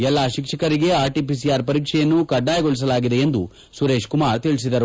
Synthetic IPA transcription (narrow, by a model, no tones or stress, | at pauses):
ɛlːaːʃikʂɐkɐɾiɡe̞aːɾʈipis̬ijaːɾpɐɾiːkʂɛjɐnːukɐɖːaːjɐɡoɭis̬ɐlaːɡid̪e̞end̪u | suɾe̞ːʃkumaːɾt̪iɭis̬id̪ɐɾu